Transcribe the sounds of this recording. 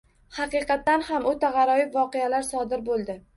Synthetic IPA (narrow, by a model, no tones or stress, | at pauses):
hɑqɨqɑt̪ːanhamʊt̪ʰaʁɑɾɒjɪpvɒqejalaɾsɒd̪ɪɾbolˠd̪ɪ